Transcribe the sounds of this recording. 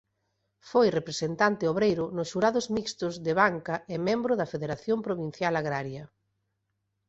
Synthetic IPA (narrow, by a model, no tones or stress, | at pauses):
fojrepɾesent̪ant̪ɪoβɾejɾʊnʊsʃuɾaðʊzmikst̪ʊzðɪβaŋkɐɪmẽmbɾʊðɐfeðeɾaθjompɾoβin̟θjalaɣɾaɾjɐ